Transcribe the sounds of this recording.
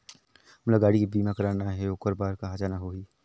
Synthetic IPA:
ləɡaːɽikibiːmãkɐɾaːnaɦɛokəɾbaːɾkaɦaːd͡ʒaːnaɦoːiː

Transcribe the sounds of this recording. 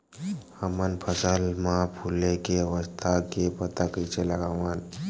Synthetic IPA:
həmənpʰəsalmapʰulekeʋəst̪ʰakepət̪akəjt͡ɕʰeləɡaʋan

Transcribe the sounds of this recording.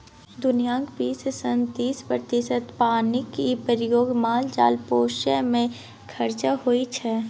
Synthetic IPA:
d̪ʊnijãːŋkbiːsəsə̃nt̪iːspɾət̪ɪʃət̪paːnɪkipɾjoːɡmaːld͡ʒa̰ːlpoːʃəmẽ | kʰɐɾt͡ʃaɦoit͡ʃʰɛ

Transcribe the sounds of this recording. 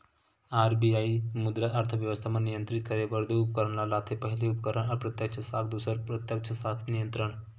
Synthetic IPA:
aɾbiaimud̪ɾaʔaɾt̪ʰəʋjəʋəst̪ʰamanijənt̪ɾit̪kəɾebəɾd̪uupəkəɾəɳ̃lalat̪ʰepəɦiliupəkəɾəɳəɾpɾət̪jəkt͡ʃʰəsakʰd̪usəɾpɾət̪jəkt͡ʃʰəsakʰnijənt̪ɾəɳ̃

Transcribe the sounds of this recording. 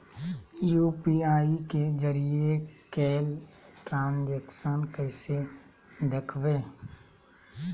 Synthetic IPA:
juːpiaːikezəɾiekɛːlʈɾãːnd͡ʒekʃənkɛɪse | d̪ekʰʋeː

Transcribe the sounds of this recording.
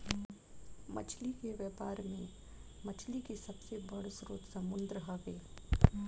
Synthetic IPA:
mɐ̰t͡ʃʰlikeʋjɛːpaːɾmẽ | mɐt͡ʃʰlikesɐbsebɐɽsɾoːt̪sɐmʊ̃nd̪ɾəɦaɡeː

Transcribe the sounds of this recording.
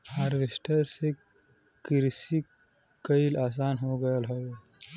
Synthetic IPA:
haɾʋɪsʈəse | kɪɾsi | kɐilaːs̬aːnɦoːɡɐjəlɦoːe

